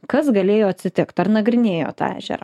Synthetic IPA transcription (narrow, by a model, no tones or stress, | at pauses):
kɐsɡɐlʲeːjoːɐt̪ʲsʲɪt̪ʲɪkt̪ɐrnɐɡɾʲɪnʲeːjo̰ːt̪ɑ̰æ̰ːʒʲɛ̰ɾɐ̰ː